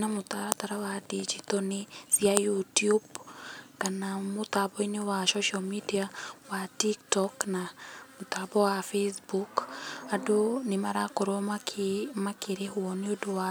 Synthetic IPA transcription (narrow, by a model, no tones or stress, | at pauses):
namotaɾataɾawadid͡ʒitɔnesiajutjubkanamotabɔinewaʃɔʃiamidiawatiktɔknamot̪abɔwafesbukadonemaɾakoɾomakʰemakeɾehwɔneodowa